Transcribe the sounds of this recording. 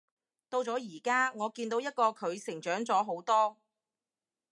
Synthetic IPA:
t̪o˧wt͡sɔː˨˥jiː˨˩kaː˥ŋɔː˨˧kiː˧nt̪o˧˥wjɐ˥t̚kɔː˧kʰɵ˨˧ɥsɪ˨˩ŋt͡ʃœː˨˥ŋt͡sɔː˨˥ɦo˨˥wt̪ɔː˥

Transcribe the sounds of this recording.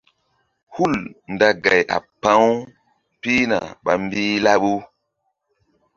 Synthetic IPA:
hu˦˨ln˨da˦ɡa˨jʔa̰˨pã˨˦w | pi˦na̰˨ɓa̰˨mbiː˦la˦ɓu˦

